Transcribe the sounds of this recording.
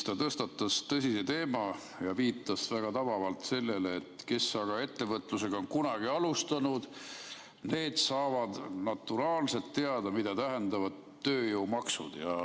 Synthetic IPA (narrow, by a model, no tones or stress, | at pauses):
st̪ɑt̪ɤst̪ɑt̪ːˑɑst̪ɤsʲise̞t̪e̞ːmɑ | jɑviːt̪ːˑɑsvæɡ̥ɑt̪ɑvɑvɑlt̪se̞lːe̞leːt̪ke̞sːɑɡ̥ɑe̞t̪ːe̞vɤt̪ˑluse̞ɡ̥ɑonkunɑɡ̥iɑlust̪ɑnud̪̥ | ne̞ːd̪̥sɑːvɑd̪̥nɑt̪ːuɾɑːlse̞lt̪ːe̞ɑd̪̥ɑmid̪̥ɑt̪æɦe̞nd̪ɑvɑd̪ø̞ːjowmɑksṵd̪̥jɑ